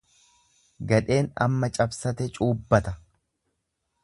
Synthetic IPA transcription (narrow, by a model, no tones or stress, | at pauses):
ɡɐᶑe̞ːnɐ̰mːɐt͡ʃʼɐbsɐt̪ɛt͡ʃʼuːbːɐt̪ɐ